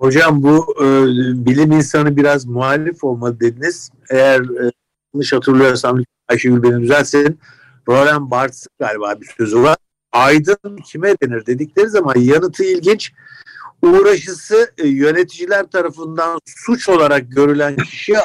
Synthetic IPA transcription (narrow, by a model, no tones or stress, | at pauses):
ho̞d͡ʒambu | bilʲiminsanɯbiɾazmuɦalʲifo̞lˠmalˠɯd̪e̞d̪iniz̥ | ejæɾː | lnˠɯʃhat̪ʰɯɾlˠɯjo̞ɾsamʲi | ajʃɯɟylʲbenid̪yzælʲsen | ɾo̞lʲænbaɾt̪sɯkɡaːlʲibaːbisø̞zyvaɾ | ajd̪ɯncʰimɛd̪e̞niɾd̪e̞d̪iclʲe̞ɾizamanjanɯt̪ʰɯilʲɟint͡ʃ | uːɾaʃɯsɯjø̞ne̞t̪ʰid͡ʒilʲæɾt̪ʰaɾafɯnd̪ansut͡ʃo̞lˠaɾak̚ɟø̞ɾylʲæncʰi̥ʃi